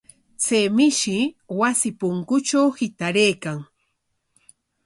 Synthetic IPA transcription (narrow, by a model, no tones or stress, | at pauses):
t͡sejmɪʃɪwasɪpʊŋkʊt͡ʃawhɪt̪aɾejkaŋ